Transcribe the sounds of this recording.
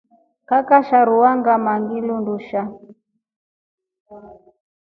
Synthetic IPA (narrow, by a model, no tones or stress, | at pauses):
kakaʃaɾuwaŋɡamaŋɡilunduʃa